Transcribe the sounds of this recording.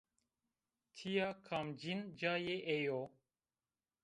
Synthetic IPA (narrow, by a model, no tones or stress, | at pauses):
t̪ʰijakʰaːmd͡ʒind͡ʒaːjeʔejo